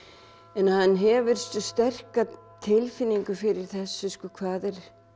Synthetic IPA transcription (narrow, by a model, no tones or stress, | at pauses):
ɛnhanːɦɛːvʏɾ̥st̪st̪ɛr̥ka | t̪ʰɪlfɪnːiŋkʏfɪɾɪɾ̥θɛsːʏskʏkʰvaːðɪɾ̥